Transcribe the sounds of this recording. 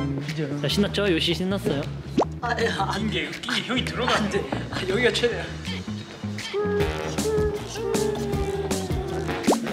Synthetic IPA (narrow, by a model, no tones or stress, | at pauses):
id͡ʑt͡ɕaɕʰinːat͡ɕ͈ʌjoɕ͈ʰiɕʰinːas͈ʌjo | aanɡekk͈iɡiçjʌɡitɯɾʌɡandeajʌɡiat͡ɕʰenejo